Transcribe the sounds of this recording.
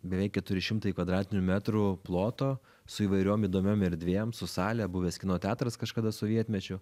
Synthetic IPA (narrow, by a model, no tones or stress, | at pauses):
bʲɛʋʲɛɪkʲkʲɛt̪ʊɾʲɪʃʲɪmt̪ɐɪkʋɐd̪ɾɑːt̪ʲɪnʲʊmʲæːt̪ɾʊplˠoːt̪oː | sʊiːʋɐɪɾʲoːmiːd̪oːmʲoːmɛɾʲd̪ʲʋʲeːjɛmsʊsɑːlʲɛbuːʋʲeːskʲɪnoːt̪ʲæːt̪ɾɐskɐʃkɐd̪ɐsʊʋʲiɛt̪ʲmʲɛt͡ʃʲʊ